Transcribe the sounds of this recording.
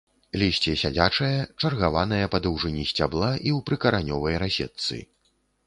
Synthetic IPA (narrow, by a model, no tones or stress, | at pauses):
lʲisʲt͡sʲijɛsʲad͡zʲat͡ʂɐjɐt͡ʂɐrɣavan̪ɐjɐpɐd̪ɐwʐɨnʲisʲt͡sʲablˠaʔiwpɾɨkɐɾanʲɔvɐjɾasʲɛ̰t̪sɨ̰